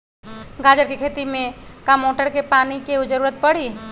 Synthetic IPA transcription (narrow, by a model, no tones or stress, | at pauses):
ɡaːd͡ʒəɾkekʰeːt̪imẽkamoːʈəɾkepaːnikeud͡ʒəɾuːɾət̪̚pɐɽ̤iː